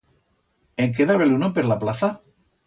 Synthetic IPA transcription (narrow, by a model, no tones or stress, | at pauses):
eŋk̬eðaβelunopeɾlaplaθa